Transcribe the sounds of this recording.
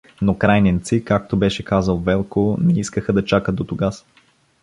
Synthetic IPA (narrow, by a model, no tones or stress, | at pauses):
nokɾajnɛnt̪sikak̚t̪obɛʃɛkazəlˠvɛlˠkonɛiskəxəd̪ɐt͡ʃakət̪d̪ot̪ʊɡas